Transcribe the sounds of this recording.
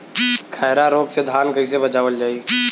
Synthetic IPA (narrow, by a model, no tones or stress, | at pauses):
kʰɛːɾaɾoːɡsed̪ʱaːnkəɦɪ̃s̬ebət͡ʃaːʋəld͡ʒaːi